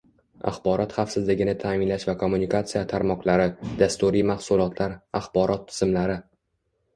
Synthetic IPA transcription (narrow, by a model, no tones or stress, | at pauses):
a̰χbɒɾɒt̪χɑfsɪzlɪɡʲɪnɪt̪ʰaːmɪnlaʃvakʰo̞mːunikat̪sijat̪ʰaɾmɒqlaɾɪd̪̥ast̪uɾijmaχsʊlˠɒt̪ʰlaɾaχbɒɾʔɒt̪ʰːɪ̥z̥ɪmlaɾɪ